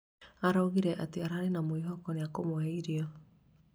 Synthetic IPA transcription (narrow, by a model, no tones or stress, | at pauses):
aɾaoɣiɾɛʔateaɾaɾenamoiɦɔkɔneakomoɛiɾiɔ